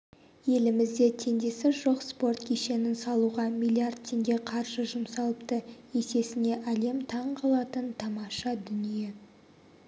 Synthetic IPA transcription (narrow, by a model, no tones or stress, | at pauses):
je̞lɪmɪzd̪e̞t̪ʰe̞nd̪e̞sɪʒo̞qspo̞rt̪kʲʰeʃe̞nɪnsɑlˠuʁɑmʲijlʲˠiard̪̚t̪ʲʰe̞ŋɡʲe̞qʰɑɾʒ̥əʒʊmsɑlˠəpt̪ə | e̞se̞sɪne̞ʔæle̞mt̪ʰɑɴqʰɑlˠɑt̪ənt̪ʰɑmɑʃɑd̪ʏnije̞